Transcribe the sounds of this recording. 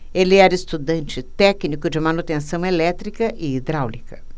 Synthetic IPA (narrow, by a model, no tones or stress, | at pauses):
elɪɛɾɐɪst̪ud̪ɐ̃nt͡ʃɪt̪ɛknikʊd͡ʒɪmɐnut̪ẽsɐ̃w̃elɛt̪ɾikɐʔɪid̪ɾawlikɐ